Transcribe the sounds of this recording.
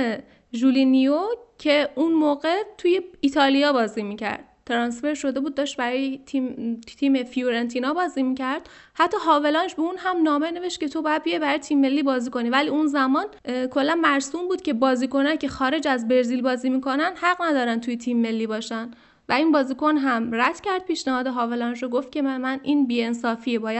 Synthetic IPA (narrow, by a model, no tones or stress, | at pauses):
ʒulinijocʰːe̞unmoːɣe̞t̪ʰuje̞it̪ʰɒːlijɒːbɒːzimiːcʰæ̰ɾd̪̥̚t̪ʰeɾɒnsfe̞ɾʃo̞d̪e̞buːd̪̚ːɒːʃt̪̚bæɾɒːjet̪ʰimt̪ʰiːmefijuɾent̪ʰiːnɒbɒːziːmicʰæɾd̪̥ | hæt̪ʰːɒːɦɒːve̞lɒnd͡ʒbeuːnhæmnɒːmene̞ve̞ʃt̪̚cʰe̞t̪ʰo̞bɒːjæd̪̚bijebæɾɒːjt̪ʰiːmːe̞lːiːbɒːziːko̞nivæliːunzæmɒːnkʰo̞lːænmæɾsuːmbuːd̪̥cʰe̞bɒːziːko̞næcʰe̞xɒːɾe̞d͡ʒæzbe̞ɾzilbɒːziːmiːkʰo̞nænd̪hæɣnæd̪ɒːɾænt̪ʰujet̪ʰimːe̞lːibɒːʃænd̪ | væiːnbɒːziːkʰo̞nɦæmræd̪̥cæɾd̪̚pʰiːʃnæhɒːd̪eɦɒːvelɒːnd͡ʒoɡoft̪̚cʰʲe̞mæmænʔiːnbiːe̞nsɒːfiːbɒːjæ